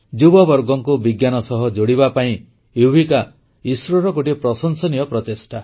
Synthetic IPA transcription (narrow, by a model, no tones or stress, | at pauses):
d͡ʒubɔbɔɾɡɔŋkubiɡjanɔsɔɦɔd͡ʒoɽibapaĩ | ebʱika | isɾɔɾɔkoʈipɾɔsɔnsɔnijɔpɾɔt̪esʈʰa